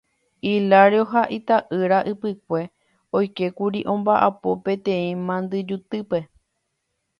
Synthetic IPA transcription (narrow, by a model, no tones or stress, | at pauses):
ilaɾeoɦaʔit̪aʔɨɾaʔɨpɨk̚ʷe̞ | o̞jke̞kuɾiʔõ̞mbaʔapo̞pẽ̞t̪ẽ̞ĩmãnd̪ɨd͡ʒut̪ɨpe̞